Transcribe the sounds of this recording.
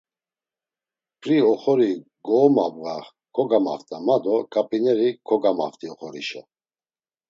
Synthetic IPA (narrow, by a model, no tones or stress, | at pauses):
pʰɾiɔχɔɾi | ɡɔːmab̚ɣaχ | kʰɔɡama̰ft̪ʼamad̪ɔkʼapʼinɛɾikʰɔɡama̰ft̪ʼiɔχɔɾḭʃɛ